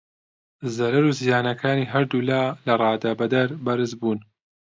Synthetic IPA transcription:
zɐɾɐɾuːzijaːnɐkʰaːniːɦɐɾd̪ulaːlɐrˤɑːd̪aːbɐd̪ɐɾbɐɾɨzbuːn

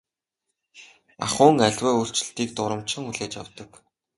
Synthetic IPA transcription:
a̰χʊːŋæɮʲwæːur̥t͡ɕɪ̆ɬt̪iːk̚t̪ʊɾə̆mt͡ɕɪ̆ŋuɮeːt͡ɕja̰wt̪ə̆k

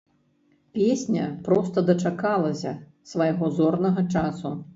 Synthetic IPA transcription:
pʲesʲnʲɐpɾɔst̪ɐd̪ɐt͡ʂakalˠɐsʲɐ | svɐjɣɔzɔrnɐɣɐt͡ʂasu

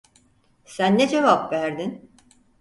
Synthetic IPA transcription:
sænːed͡ʒe̞vapvæɾd̪in

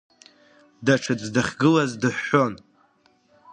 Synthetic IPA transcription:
daʈ͡ʂʰɨd͡zdɨχʲɡɨlazdɨħːo̞n

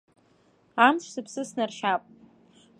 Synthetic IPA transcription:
amt͡ʃʷʰzɨpʰsɨsnarʃapʼ

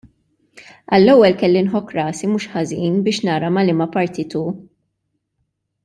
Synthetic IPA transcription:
ɐlːɛwːɛlkɛlːinħɔkːɾɐːsimuːʃħɐziːnbɪːʃnɐːɾɐmɐlɪmɐpɐɾt̪it̪u

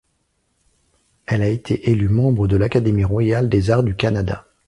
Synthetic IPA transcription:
ɛlaet̪ʰeʔelymɑ̃bʁəd̪əlakad̪emiʁwajald̪ezaʁd̪ykanad̪a̰

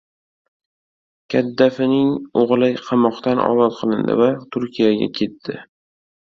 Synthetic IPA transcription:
kʲʰad̪ːafɪnɪŋoʁlˠajqʰɑmɒqt̪anʔɒ̰zɒt̪̚qʰɨlˠɪnd̪ɪ̰vat̪ʰʊɾkʲʰijaɡʲa̰kʲʰe̞t̪ʰːɪ

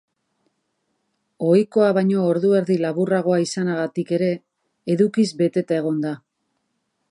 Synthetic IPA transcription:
o̞jko̞aβajɲo̞ːɾðue̞ɾðilaβuraɣ̞o̞aisanaɣ̞at̪ike̞ɾe̞ː | ðukizbe̞t̪e̞t̪ae̞ɣ̞o̞nd̪a

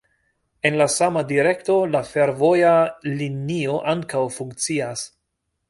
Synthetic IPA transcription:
e̞nlasamadiɾe̞kto̞lafeɾvo̞jalinio̞ʔaŋkawfuŋkt͡sias

